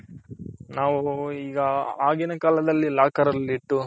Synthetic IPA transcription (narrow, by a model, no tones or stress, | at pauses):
naːʋuiːɡɐaːɡinɐkaːlɐd̪ɐlːilaːkɐɾɐliʈːu